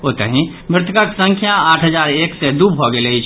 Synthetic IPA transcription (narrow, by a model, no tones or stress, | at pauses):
ot̪əɦĩ | mɾɪt̪ʰəkəksə̃ŋkʰjaaʈʰɦəd͡ʒaɾeksed̪ubbʱɔɡeləit͡ʃʰ